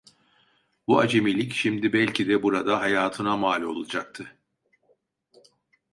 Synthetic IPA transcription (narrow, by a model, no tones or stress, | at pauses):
buad͡ʒemilʲicʃimd̪ibɛlʲcʰid̪ɛbuɾad̪aɦajaːt̪ʰɯnamaːlʲo̞̰lˠad͡ʒak̚t̪ʰɯ